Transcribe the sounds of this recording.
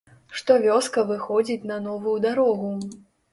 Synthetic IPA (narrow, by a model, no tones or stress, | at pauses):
ʂt̪ɔvʲɔskɐvɨxɔd͡zʲit͡sʲnɐnɔvujud̪aɾɔɣu